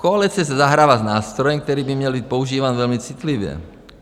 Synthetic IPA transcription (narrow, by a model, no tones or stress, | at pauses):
koalit͡sɪɛs̬ɛzaɦɾaːʋaznaːst̪ɾɔjɛmk̚t̪ɛɾiːbimɲɛlbiːt̪̚pouʒiːʋaːnvɛlmit͡sit̪liʋjɛ̰